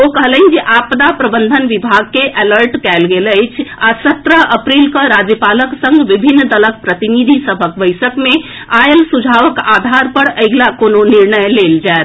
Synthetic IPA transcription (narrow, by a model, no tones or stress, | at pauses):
okəɦələnd͡ʒeʔapd̪apɾəbənd̪ʱənʋibʱaɡ̚keʔələɾʈkɛlɡeləjt͡ʃʰasət̪ɾəɦəpɾilkəɾad͡ʒjəpaləksə̃ŋɡʋibʱinːd̪ələk̚pɾət̪inid̪ʱisəbʱək̚bəɪsəkme | aelsud͡ʒʱaʋəkad̪ʱaɾpəɾəjɡlakononiɾnəjleld͡ʒaet̪